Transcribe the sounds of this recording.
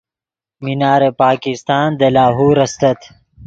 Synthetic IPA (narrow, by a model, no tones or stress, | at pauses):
minaːɾepaːkist̪aːnd̪ɐlaːɦuːɾɐst̪ɐt̪